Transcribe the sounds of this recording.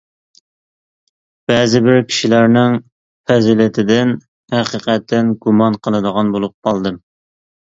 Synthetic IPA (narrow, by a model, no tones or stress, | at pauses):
b̥ɛzɪbɪɾkʲʰi̥ʃilæɾnɪŋ | fɛzilɪt̪ʰɪd̪ɪn | hæqiqɛt̪ːɪnɡumɑnqʰəlˠɨd̪əʁɑnbolˠup̚qʰɑlˠd̪ɨm